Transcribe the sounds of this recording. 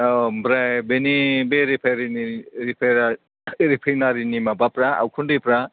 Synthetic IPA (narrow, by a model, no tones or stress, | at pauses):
bɾajbenibeɾipʰaɾiniɾipʰaɾa | ɾipʰajnaɾinimabapɾaa̰wkʰunɾipɾa